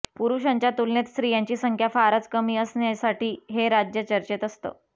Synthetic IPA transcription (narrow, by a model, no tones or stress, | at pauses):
puɾuɕaɲt͡ɕjat̪ulnet̪sɾiːjãɲt͡ɕiːsəŋkʰjafaɾət͡skəmiːəsnjasaʈiːɦeɾad͡ʑjət͡ɕəɾt͡ɕet̪əst̪ə̰ː